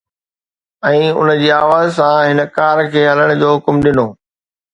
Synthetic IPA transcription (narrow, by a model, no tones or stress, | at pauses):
ɛ̃ːʊ̰nəd͡ʑiːaːʋaːzsãɦɪnəkaːɾkʰeːɦɐləɽ̃ʊd͡ʑoːɦʊkmɗɪnoː